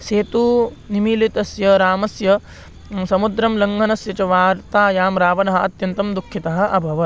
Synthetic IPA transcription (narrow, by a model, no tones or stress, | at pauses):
seːt̪u | nimiːlit̪ɐsjɐɾaːmɐsjɐ | sɐmud̪ɾɐmlɐŋɡʱɐnɐsjɐt͡ʃɐʋaːɾt̪aːjaːmɾaːʋɐnɐɦɐ̆ɐt̪jɐnt̪ɐmd̪ukʰːit̪ɐɦɐ̆ʔɐbʱɐʋɐ